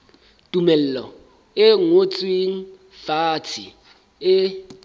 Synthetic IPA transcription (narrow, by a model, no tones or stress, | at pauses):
d̥ʼumɛl̩lɔ | ɪŋot͡sʼwiŋ̩ | fatʰḭ | ɪ